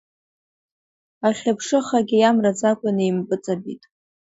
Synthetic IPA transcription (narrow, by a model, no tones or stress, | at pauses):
aχʲapʰʂɨχaɡʲɪjamrad͡zakʷʼanɨjmpʼɨt͡sʼabḭtʼ